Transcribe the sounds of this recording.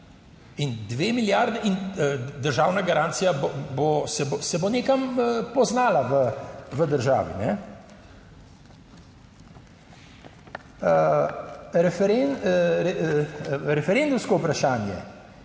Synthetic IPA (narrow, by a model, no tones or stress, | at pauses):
ind̪ʋeːmiljaɾd̪ɛʔind̪əɾʒaːwnaɡaɾaːnt̪sijabbosɛbsɛboneːkampɔznaːlaʋəʋəd̪əɾʒa̰ːʋḭnɛ | ə | ɾɛfɛɾenɾɛ | ɾɛfɛɾend̪umskɔupɾaʃaːnjɛ̰